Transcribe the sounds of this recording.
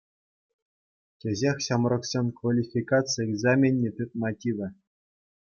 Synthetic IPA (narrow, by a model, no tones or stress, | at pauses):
tʲeʑʲexʲɕɑmrɤ̆ksʲenʲkʋalʲifʲikat̪t͡sɨjeɡzɑmʲenʲːet̪ɯt̪̚mɑtʲiʋʲɘ̆